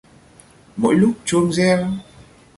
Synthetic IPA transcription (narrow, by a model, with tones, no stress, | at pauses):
mo̰˧˥jlʊ˦˥k͡p̚t͡ɕu˧nzɛ˧w